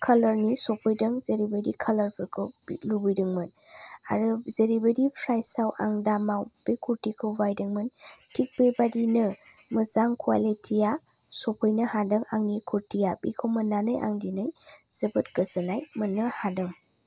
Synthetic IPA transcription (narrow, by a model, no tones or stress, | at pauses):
kʰɐlɐɾnisɔpʰɔjdɯŋzeɾibədikʰɐlɐɾpʰɯkʰɯblubujdɯŋmɯna̰ɾɯzeɾibɐdipʰɾajsawʔa̰ŋdamawb̥ekʰuɾtikʰɯwbajdɯŋmɯntʰik̚bebadinɯ | mɯzaŋkʰuwa̰litʰija | sopʰɔjnɐhadɯŋaŋnikʰuɾtijabikʰowmɐnːanɯjʔa̰ŋdinɯjz̥ɐbɯt̚kɯzɐnajmɯnːɯhadɯŋ